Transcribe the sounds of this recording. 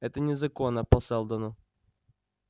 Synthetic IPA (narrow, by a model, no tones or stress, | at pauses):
ɛt̪ənʲɪzɐkonːəpɐsɛlˠd̪ənʊ